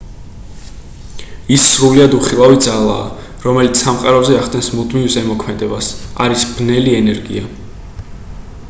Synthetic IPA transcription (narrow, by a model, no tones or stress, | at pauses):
isːɾuliad̪uχilˠavid̪zalˠa̰ː | ɾɔmɛlit̪ssʰamqʼaɾɔzɛaχd̪ʼɛnsmud̪mivsɛmɔkʰmɛd̪ɛbasa̰ɾisb̥nɛliɛnɛɾɡḭa